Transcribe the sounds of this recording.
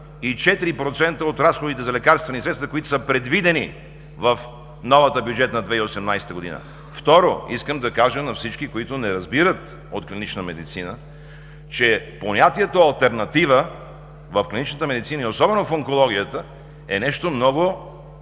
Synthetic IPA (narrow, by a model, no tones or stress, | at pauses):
it͡ʃɛt̪iɾipɾot̪sɛnt̪əot̪ɾasxod̪it̪ɛzɐlɛkaɾst̪vɛnisɾɛt̪st̪vəkoit̪o̥səpɾɛd̪vid̪ɛni | vəf | nɔvɐt̪əbjud͡ʒɛt̪nɐd̪vɛiosɛmnajsɛ̥t̪əɡod̪inə̰ | ft̪ɔɾoiskəmd̪ɐkaʒənɐfsit͡ʃkikoit̪ʊnɛɾɐzbiɾət̪ | ot̪klinit͡ʃnəmɛd̪it̪sinə | t͡ʃɛponʲat̪iɛt̪oɐlˠt̪ɛɾnɐt̪ivə | vəfklʲinit͡ʃnət̪əmɛd̪it̪sinəiosɔbɛnofoŋkolˠɔɡ̟ʲiət̪ə | ɛnɛʃt̪omnɔɡo